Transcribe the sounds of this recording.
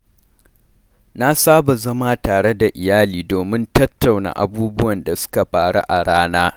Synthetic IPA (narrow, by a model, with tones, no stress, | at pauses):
na˦saː˦ba˨zɐ˦ma˦taː˨ɽe˦da˨ʔɪ˨jaː˦liː˨doː˨mɪ˦ntɐ˦tʰːa˨wna̰˨ʔa̰˨buː˦bʊ˦wɐ˨nda˨sʊ̥˦ka˨ɸaː˨ɽa̰˦ʔa˨ɽaː˦naː˦